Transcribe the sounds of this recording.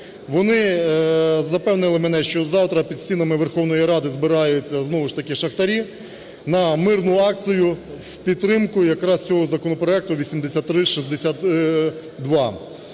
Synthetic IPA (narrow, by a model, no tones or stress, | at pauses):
ʋɔnɪ | zɐpɛwnɪlˠɪmɛnɛʃt͡ʃɔzɑwt̪ɾɐpʲid̪sʲtʲinɐmɪʋerxɔwn̪ɔjiɾɑd̪ɪzbɪɾɑjʊt͡sʲːɐznɔʋʊʃt̪ɐkɪʃɐxt̪ɐɾʲi | nɐmɪrnʊɑk̪̚t͡s̪ɪjʊ | wpʲid̪t̪ːɾɪmkʊjɐkɾɑst͡sʲɔɦɔzɐkɔnɔpɾɔɛk̚t̪ʊʋʲisʲimd̪esʲat̪ːɾɪʃizd̪esʲat̪ | d̪ʋɑ